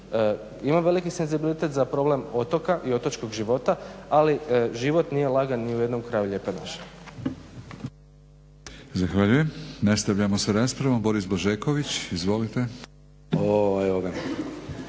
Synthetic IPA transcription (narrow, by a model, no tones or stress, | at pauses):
ə | imamʋe̞likise̞nzibilit̪et̪zapɾo̞ble̞mo̞t̪o̞kaʔio̞t̪ot͡ʃko̞ɡʒiʋo̞t̪aaliʒiʋo̞t̪nijelˠaɡanːiuje̞d̪no̞mkɾaːjuʎe̞ːpena̰ʃe̥ | zaxʋaʎujemnast̪aʋʎamosaɾaːspɾaʋombo̞ɾisboʒeːkoʋit͡ɕizʋo̞lit̪e | oeʋoɡa